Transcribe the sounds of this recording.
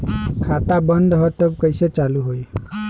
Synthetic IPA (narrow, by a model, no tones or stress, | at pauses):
kʰat̪abənd̪ɦɔt̪ɔb̚kəjset͡ʃaluɦoj